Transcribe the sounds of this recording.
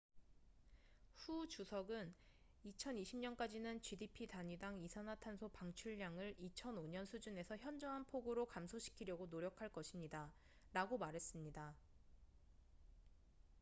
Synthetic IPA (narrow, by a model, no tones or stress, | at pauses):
ɸut͡ɕusʰʌɡɯn | it͡ɕʰʌniɕʰimɲʌnk͈ad͡ʑinɯnt͡ɕɥidipʰitaɲidaŋisʰanɦatʰansʰopaŋt͡ɕʰuɭːaŋɯɭit͡ɕʰʌnoɲʌnsʰud͡ʑune̞sʰʌçjʌnd͡ʑʌŋɦanpʰoɡoɾokamsʰoɕʰi̥kʰiɾjʌɡonoɾjʌkʰaɭk͈ʌɕʰimɲida | ɾaɡomaɾɦe̞s͈ɯmɲida